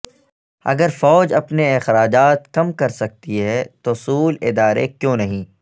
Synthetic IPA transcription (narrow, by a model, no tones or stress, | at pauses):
ɐ̰ɡəɾfɔːd͡ʒɐpneɪxɾaːd͡ʒaːt̪kɐmkɐɾsɐk̚t̪iɦɛt̪osuːlɪd̪aːɾḛkjõːnɐɦĩː